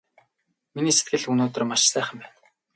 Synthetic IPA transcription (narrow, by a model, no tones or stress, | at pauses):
miniːse̥t̪̚ɡɘ̆ɮunoːt̪ə̆rmaʃsæːχə̆mpæːn